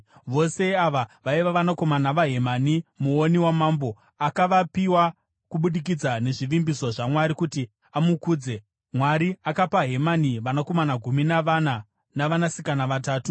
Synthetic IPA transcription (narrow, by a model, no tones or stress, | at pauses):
ʋo̞se̞aʋaʋaiʋaʋanako̞manaʋaɦe̞manimuoniwamaːmbo̞ | akaʋapiwa | kuɓuɗik̬id͡zane̞ʐiʋimbiso̞ʐamwaɾikuti | amukuːd͡ze̞ | mwaɾiakapaɦe̞maniʋanako̞manaɡʱuminana | naʋanasikanaʋataːtu